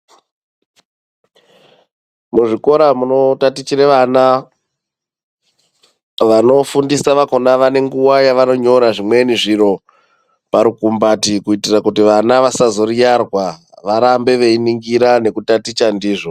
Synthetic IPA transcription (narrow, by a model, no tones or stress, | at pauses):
muʐiko̞ɾamuno̞tatit͡ʃiɾeʋana | ʋano̞fundisaʋako̞naʋane̞ŋɡuwajaʋano̞ɲo̞ɾaʐimwe̞niʐiɾo̞ | paɾukumbatikuitirakutiʋanaʋasazo̞rijarwa | ʋaɾambe̞ʋe̞iniŋɡiɾane̞kutatit͡ʃandiːʐo̞